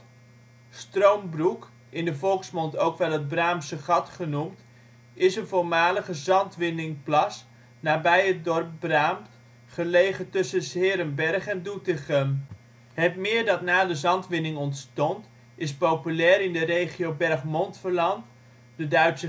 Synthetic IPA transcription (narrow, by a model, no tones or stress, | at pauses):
strowmbruk | ɪndəvɔlˠksmɔntowkʋɛlˠɦəd̚braːmsəχɑtχənumt | ɪsənvʊːɹmaːləχəzɑntʋɪnɪŋplɑs | naːbɛjət̚dɔrp̚braːmt | χəlejχətɵsəsɦɪːɾəmbɛrχɛndutəχəm | ɦətmɪːɹdɑtnaːdəzɑntʋɪnɪŋɔntstɔnt | ɪspowpylɛːɾɪndərejχiowbɛrχmɔntfəɹlɑnt | dədœɥtsə